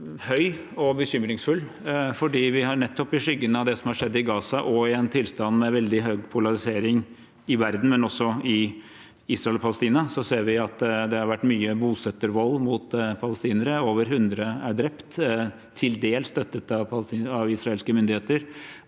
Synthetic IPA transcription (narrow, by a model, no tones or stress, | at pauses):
hœʏɔbəçʏmɾɪŋsfʉlːfɔɖiːʋɪhɑɾɳɛt̪ːɔpɪʂʏɡːənəɑʋd̪ɛsɔmhɑɾʂɛd̪ːɪɡɑːsɑʔɔɪɛnt̪ʰɪlst̪ɑnmɛʋɛld̪ɪɦœɡpʰʊlɑɾɪseːɾɪŋ | ɪʋæɾd̪n̩mɛnɔsːɔɪ | iːsɾɑɛlɔpʰɑləst̪iːnɑsɔseːɾʋɪɑt̪d̪ɛhɑɾʋæʈːmyːəbuːsœt̪ːəɾʋɔlːmʊt̪pʰɑləst̪iːnəɾəoːʋəɾɦʉnd̪ɾəæɖɾɛpt̪ | t̪ʰɪld̪eːlst̪œt̪ːət̪ɑʋpɑɑʋɪsɾɑeːlskəmʏnd̪ɪheːt̪əɾ